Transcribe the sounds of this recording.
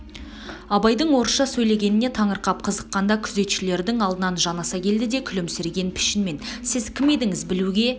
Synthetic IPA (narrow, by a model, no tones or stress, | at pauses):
ɑbɑjd̪əɴwo̞ɾəʃɑsɵjle̞ɡʲe̞nɪne̞t̪ʰɑɴəɾqɑp̚qʰəzəqːɑnd̪ɑkʲʰʏze̞t̪ʃɪle̞ɾd̪ɪŋɑlˠd̪ənɑnʒɑnɑsɑkʲʰe̞ld̪ɪd̪e̞kʲʰʏlɪmsɪɾɡʲe̞npʰɪ̥ʃɪnme̞nsɪzkʲʰɪme̞d̪ɪŋɪzbɪluɡʲe̞